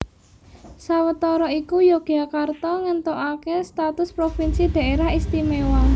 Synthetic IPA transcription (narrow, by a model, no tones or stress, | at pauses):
sawət̪ɔɾɔikujoɡ̥akart̪ɔŋənt̪oʔakest̪at̪ʊspɾofinsid̪̥ä̤ʔeɾahist̪imewaŋ